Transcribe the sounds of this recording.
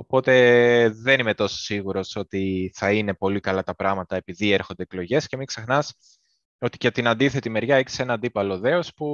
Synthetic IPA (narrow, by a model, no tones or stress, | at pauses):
o̞po̞t̪e̞ðe̞nime̞t̪o̞so̥siɣuɾo̞so̞t̪iθɐine̞po̞likɐlɐt̪ɐpɾɐɣmɐt̪ɐe̞piðie̞ɾxo̞nd̪eklo̞ʝe̞sce̞mikse̞xnɐs | o̞t̪i̥cet̪inɐnd̪iθe̞t̪ime̞ɾʝɐeçi̥se̞nɐnd̪ipɐlo̞ðe̞o̞spu